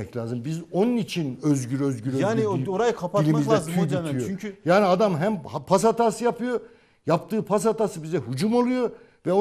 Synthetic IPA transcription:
ɛclʲaːzɯmbizo̞nunit͡ʃʰinøzɟyɾøzɡyɾøjaːioɾajkʰapʰailʲimmizɛzd̪it̪ʰijoyɲʰyjaːniad̪amɦæmhpʰasat̪ʰaːsɯjapɯjo | japt̪ɯːpʰas̬at̪asɯbizd̪ɛɦud͡ʒumolˠujo̞ | vɛo

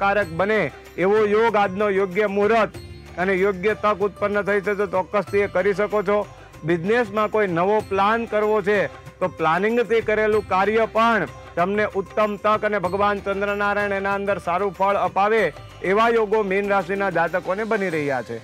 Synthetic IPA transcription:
kaɾək̚bəneː | ʋojoɡad̪nojoɡjəmuɦɾət̪ | ənejoɡjət̪əkʊt̪̚pənːət̪ʰəit͡ʃʰet̪ot͡ʃɔkːəst̪ʰiekəɾiʃəkot͡ʃʰo | bɪd͡ʒnesmãkoinəʋoplankəɾʋot͡ʃʰe | t̪oplanɪ̃ŋɡt̪ʰikəɾelũkaɾjəpəɳ | t̪əmneʔʊt̪ːəmt̪əkənebʱəɡʋant͡ʃənd̪ɾənaɾaiɳenaə̃nd̪əɾsaɾũpʰəɭəpaʋeː | ʋajoɡomenɾaʃinad͡ʒat̪əkonebəniɾəɦijat͡ʃʰḛ

